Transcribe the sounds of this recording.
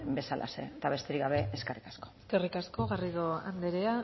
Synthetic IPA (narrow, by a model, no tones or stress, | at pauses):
be̞salʔa̰sḛt̪aβe̞st̪eɾiɣɡaβe̞eske̞rikḁskoske̞rikasko̞ɣariðoa̰nd̪eɾea